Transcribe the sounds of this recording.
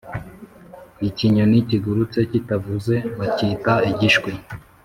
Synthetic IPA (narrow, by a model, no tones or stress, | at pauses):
iciɲoniciɡuɾut͡se̞citavuze̞βacitaiɟiʃkwi